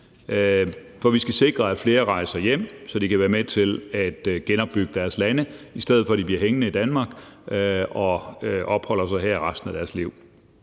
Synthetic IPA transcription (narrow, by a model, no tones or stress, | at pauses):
fɒ̽ʋisɡ̥æse̝ɡ̥ʁɐæd̥fle̝ːɐʁɑ̈ɪsɑjem̰sɒ̽d̥ikʰæʋæːɐmet͡sʰe̝læd̥ɡ̥enɒ̽b̥ːyɡ̥əd̥æɐslænəisd̥eð̩ˠfɒ̽æd̥ibliɐɦeŋənəid̥ænmɑ̈ːɡ̥ | ɒ̽ʔɒ̽b̥hɒ̽l̰ɐsɑɪɦeɐ̰iʁɑ̈sd̥n̩æd̥æɐsliʊ̰